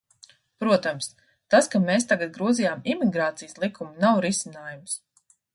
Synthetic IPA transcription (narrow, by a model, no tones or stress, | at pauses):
pɾuɔt̪ams | t̪askameːst̪aɡat̪̚ɡɾuɔzijaːmimiɡɾaːt̪sijəslˠikʰumunawɾisinaːjums